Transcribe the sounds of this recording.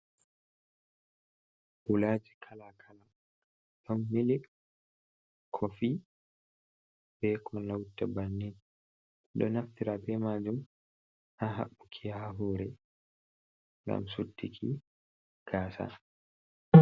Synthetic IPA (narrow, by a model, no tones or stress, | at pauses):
ʔulaːd͡ʒikʰalakʰala | ɗɔnːili | kʰɔfi | b̥ɛkɔanawtːabanːin | ɗɔ̰naftiɾabɛmaːd͡ʒum | aɦa̰ɓːukʰiaaɦuːɾɛ | ŋɡa̰msudːikʰi | ɡ̥aːsa̰